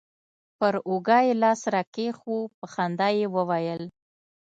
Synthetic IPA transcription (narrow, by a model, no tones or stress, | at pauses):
pəɾoɡɑjelɑsɾɑkexupəxand̪ɑjewəwajəl